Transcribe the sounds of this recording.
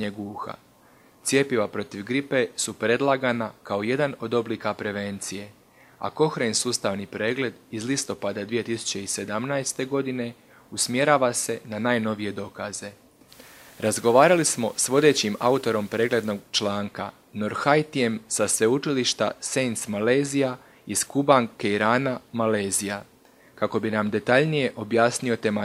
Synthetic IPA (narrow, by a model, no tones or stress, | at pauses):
ɲeɡuːxa̰ | t̪sje̞piʋapɾo̞t̪iʋɡɾipe̞supɾe̞d̪lˠaɡanakao̞je̞d̪ano̞d̪o̞bliːkapɾe̞ʋe̞nt̪sije̞ | a̰ko̞xɾensuːst̪aːʋnipɾe̞ːɡle̞d̪izlist̪o̞pad̪ad̪ʋije̞t̪isu̥t͡ɕe̞ise̞d̪amnajst̪e̞ɡo̞d̪ine̞ | usmje̞ɾaːʋase̞nanaːjno̞ʋije̞d̪o̞kaze̞ | ɾazɡo̞ʋaːɾalismo̞sʋo̞d̪e̞t͡ɕima̰ut̪o̞ɾo̞mpɾe̞ːɡle̞d̪no̞ɡt͡ʃlaːŋka̰ | no̞ɾxajt̪ije̞msasʋe̞ut͡ʃiliʃt̪a̰sent̪smale̞ːzija | iskubaŋkeiɾaːnamale̞ːzija | kako̞binamd̪e̞t̪aʎnije̞ʔo̞bjaːsnio̞t̪ema